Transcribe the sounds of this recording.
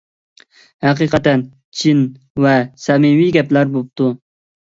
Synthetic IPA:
hæqiqɑt̪ɛn | t͡ʃʰin | vɛsɛmɪwiɡʲɛplæɾbop̚t̪ʰu

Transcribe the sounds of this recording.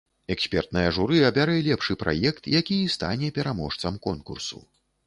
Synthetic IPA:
ɛksʲpʲɛrt̪̚nɐjɐʐuɾɨɐbʲaɾɨɛlʲɛpʂɨpɾʔa̰jɛkt̪jakʲist̪a̰nʲɛpʲɛɾamɔʂt̪sɐmkɔnkṵrsṵ

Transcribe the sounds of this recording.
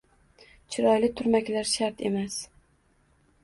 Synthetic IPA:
t͡ʃʰɪɾɒjlɪt̪ʰʊɾmakʲlaɾʃaɾt̪ʰe̞̰mas

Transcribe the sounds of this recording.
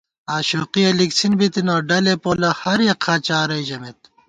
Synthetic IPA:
aːɕoːqiɐliksinbit̪inoːɖɐlepoːlɐhɐɾjɐqʰaːt͡ɕaːɾɐjʑɐmet̪̚

